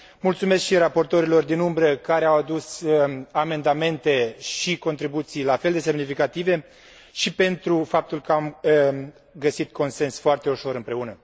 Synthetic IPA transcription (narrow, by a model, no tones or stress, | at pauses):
mult̪sume̞skʃirapo̞rt̪o̞ɾilo̞rd̪inumbɾəkaɾeawad̪usəame̞nd̪ame̞nt̪e̞ʃiko̞nt̪ɾibut̪sijlafeld̪e̞se̞mnifikat̪ive̞ | ʃipe̞nt̪ɾufap̚t̪ulkəam | ɡəsit̪ko̞nse̞nsfoart̪e̞uʃo̞ɾɨmpɾe̞unə